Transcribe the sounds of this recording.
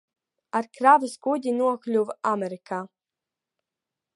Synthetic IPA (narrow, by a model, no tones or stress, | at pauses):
aɾkɾaːvʲɨsɡud̪ʲinuɔklʲuvamɛɾikaː